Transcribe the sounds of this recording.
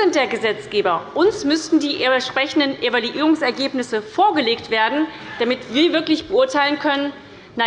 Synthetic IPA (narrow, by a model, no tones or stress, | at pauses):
ɪnt̚d̥eːɐɡəzɛt͡sɡ̥eːbɐʔʊnsmʏstn̩diːʔʃpʁ̥ɛçn̩dənʔevaluʔiːʁ̞ʊŋsɛɐɡeːpnɪsəfoːɐɡəleːktv̥eːɐdn̩ | d̥amɪtv̥iːɐvɪɐklɪçb̥əʊɐtʰaɪlənkʰœnən | na